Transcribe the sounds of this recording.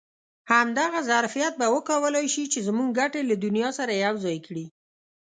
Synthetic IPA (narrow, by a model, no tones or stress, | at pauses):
hamd̪aɣazaɾfijat̪̚bawəkawəlɑjʃit͡ʃezmuŋɡɡaʈelad̪ʊnijɑsaɾajawzɑjkɽi